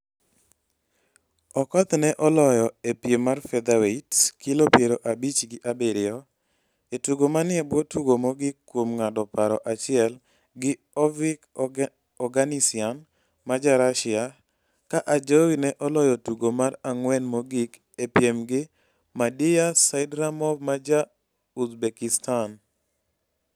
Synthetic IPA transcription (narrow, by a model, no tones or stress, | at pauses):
ɔkɔt̪nɛʔɔlɔjɔepjemːarfɛd̪awetkilopjeɾoʔabit͡ʃɡɪʔabeɾɪɔ | etuɡomanɪɛbwotuɡomoɡɪkːwomŋadɔpaɾɔʔat͡ʃɪɛl | ɡɪ | ɔvɪk | ɔɡanisɪan | mad͡ʒaɾaʃɪa | kaʔad͡ʒowinɛʔɔlɔjɔtuɡomaɾaŋwɛnmoɡik | epjemɡɪ | madɪjasaɪdɾamɔbmad͡ʒa | uzbekistan